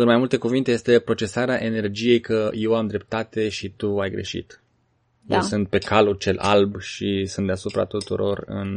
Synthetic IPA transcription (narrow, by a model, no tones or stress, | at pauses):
ɨnmajmult̪e̞kuvint̪e̞je̞st̪e̞pɾo̞t͡ʃe̞saɾeaʔe̞ne̞rd͡ʒije̞jkəje̞wamd̪ɾe̞p̚t̪at̪e̞ʃit̪uajɡɾe̞̰ʃḭt̪ | jḛw̰wsɨnt̪̚pe̞kʰalult͡ʃe̞lʔa̰lbʃisɨnt̪d̪easupɾa̰t̪ut̪ṵɾo̞rɨ̰n